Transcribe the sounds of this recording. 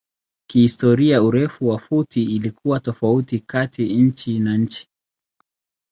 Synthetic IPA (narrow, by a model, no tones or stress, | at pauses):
kihistɔɾiauɾɛfuwafutiːlikuwatɔfautikatiɲ̩t͡ʃinaɲ̩t͡ʃi̥